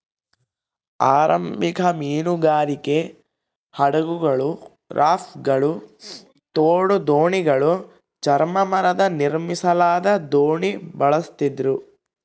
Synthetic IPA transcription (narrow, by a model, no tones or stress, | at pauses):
aːɾɐ̰mbikʰɐmiːnuɡaːɾike̞ | hɐɽɐɡuɡɐɭu | ɾʔaːfɡɐɭu | t̪oːɽud̪oːɳiɡɐɭu | t͡ʃɐɾmɐmɐɾɐd̪ɐniɾmisɐlaːd̪ɐd̪oːɳibɐɭɐst̪id̪ɾu